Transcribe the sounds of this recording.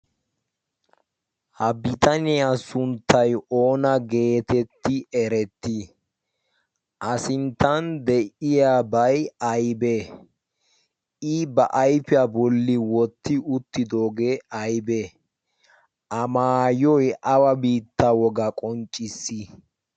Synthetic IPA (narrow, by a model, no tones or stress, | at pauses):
hɐbɪt̪ɐnɪjasʊnt̪ːɐjʔo̞ːnɐɡe̞ːt̪ɛt̪ːɪɛɾɛt̪ːɪ | ʔɐsɪnt̪ːɐnd̪ɛʔɪjabɐjɐjbɛ | ɪbɐʔɐjpɪjabɔlːɪwɔt̪ːɪʊt̪ːɪd̪o̞ːɡeɐjbɛ | ʔɐmaːjɔjʔɐwɐbiːt̪ːɐwɔɡɐkʼɔnt͡ʃʼːɪsːɪ